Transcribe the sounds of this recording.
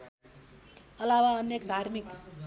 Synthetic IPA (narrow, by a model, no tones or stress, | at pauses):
ʌlawaʌnjekd̪ʱarmik